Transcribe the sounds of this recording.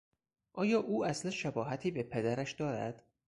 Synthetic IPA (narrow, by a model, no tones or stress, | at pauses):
ʔɒːjɒːʔuːæsleʃæbɒːɦæt̪ʰiːbepʰe̞d̪æɾæʃd̪ɒːɾæ̰d̪̥